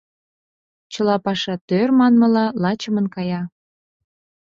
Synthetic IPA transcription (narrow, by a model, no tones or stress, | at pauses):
t͡ɕəlɑpɑʃɑt̪ørmɑnmɤ̆lɑlɑt͡ɕəmənkɑjɑ